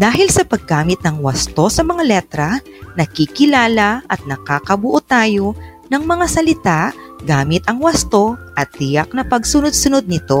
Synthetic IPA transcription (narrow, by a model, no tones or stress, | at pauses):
d̪aːɦɪlsɐpɐɡaːmɪt̪̚nɐŋwɐst̪o̞sɐmɐŋalɛt̪ɾɐ | nɐkikɪlaːlɐʔɐt̪̚nɐkaːkɐbʊʔot̪aːjo̞ | nɐŋmɐŋasɐlɪt̪aʔɡaːmɪt̪ɐŋwɐst̪o̞ʔɐt̪ːɪjak̚nɐpɐɡsʊnod̪̚sʊno̞d̪̚nɪt̪o̞